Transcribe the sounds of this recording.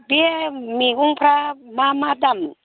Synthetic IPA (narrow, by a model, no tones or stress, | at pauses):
biemikuŋpɾamamad̪am